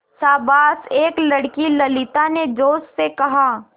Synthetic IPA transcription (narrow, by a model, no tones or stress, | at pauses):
saːbaːseːklɐɽkilɐlɪt̪aned͡ʒoːsːekɐɦaː